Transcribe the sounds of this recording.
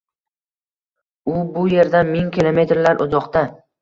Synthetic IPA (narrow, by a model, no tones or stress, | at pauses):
ʊbʊje̞ɾd̪anmiŋkʲɪlˠome̞t̪ɾlaɾʔʊzɒqt̪a